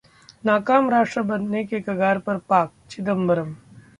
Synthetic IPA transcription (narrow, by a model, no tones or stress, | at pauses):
naːkaːmɾaːʃʈɾəbɐnːekekɐɡaːɾpɐɾpaːk̚t͡ʃɪd̪əmbɐɾəm